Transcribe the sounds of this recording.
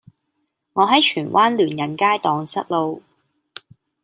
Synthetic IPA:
ŋɔː˨˧ɦɐ˨˥jt͡ʃʰyː˨˩nwʔaː˥nlyː˨˩njɐ˨˩nkaː˥jt̪ɔː˨ŋsɐ˥t̚lo˨˧w

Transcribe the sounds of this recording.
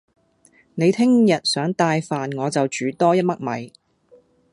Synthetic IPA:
ne˨˧jt̪ʰɪ˥ŋjɐ˨t̚sœː˨˥ŋt̪aː˧jfaː˨nŋɔː˨˧t͡sɐ˨wt͡ʃyː˨˧t̪ɔː˥jɐ˥t̚mɐ˥k̚mɐ̰˨˧j

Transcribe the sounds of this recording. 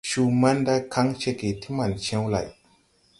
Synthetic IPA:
ʃu˧ma˦nda˦jkʰa˦ŋʃe˧ke˨tʰi˦ma˨nʃẽ˦wla̰˨j

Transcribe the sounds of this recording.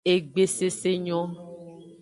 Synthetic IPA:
e˨ɡ͡be˨se˦se˦ɲɔ̃˦

